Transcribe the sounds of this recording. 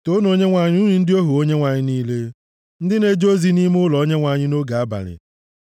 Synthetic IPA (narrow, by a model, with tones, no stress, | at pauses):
to˦no˦ɲe˦ŋʷa˨ɲɪ˦u˦ɾi˨n̩˦dɪ˦o˦ɦu˨o˦ɲe˦ŋʷa˨ɲɪ˦niː˦le˦ | n̩˦dɪ˦ne˦d͡ʒo˦zi˦ni˦m˦ʊ˦lɔ˨o˦ɲe˦ŋʷa˨ɲɪ˦no˦ɡa˨a˦ba̰˨ɾɪ̰˨